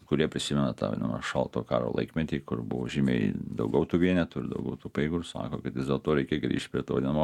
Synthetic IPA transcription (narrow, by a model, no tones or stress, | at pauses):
kʊɾʲiɛpʲɾʲɪsʲɪmʲɛnɐt̪ɑ̰ʋ̰ʲnɐmɐʃɐlˠt̪oːkɑ̰ːɾo̰lˠɐ̰ɪkmʲɛt̪ʲiːkʊrbʊ̰ʋoːʒʲiːmʲɛ̰ɪd̪ɐ̰ʊɡʲɛʊt̪uːʋʲiɛnʲɛt̪ʊɪɾd̪ɐ̰ʊɡʲɛʊt̪uːpɐɪɡʊɾsɑ̰ːkoːkɐt̪jʲɪzdʲeːlˠt̪oːɾʲɛɪkʲeːɡɾʲḭːʃt̪̚ʲpʲɾʲiɛt̪oːʋd̪ʲiɛnmoː